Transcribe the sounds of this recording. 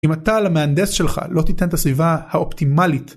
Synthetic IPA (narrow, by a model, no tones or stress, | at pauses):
ʔimat̪alameand̪esʃe̞lχa̰lo̞t̪it̪e̞nt̪asvivahao̞ptimalit